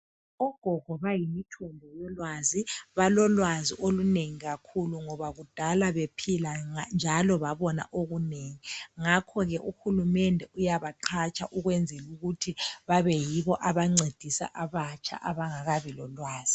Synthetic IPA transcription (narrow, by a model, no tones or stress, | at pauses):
ɔɡ̥ʱɔɡ̥ʱɔβajimitʰɔnbʱɔjɔlwaziβalɔlwaziʔoluneŋiɣakʰuluŋɔβaɣud̥ʱalaβepʰiland͡ʒʱalɔβaβɔna̰ʔoɣuneːŋiŋakʰɔɣɛʔuxulumɛndʱɛʔujaβaǃʰat͡ʃʼa̰ʔuɣwɛnd͡zʱɛluɣutʰiβaβɛjiβɔʔaβaŋ͡ǀed̥ʱisa̰ʔaβat͡ʃʰʼa̰ʔaβaŋaɣaβilɔlwaːz̥i̥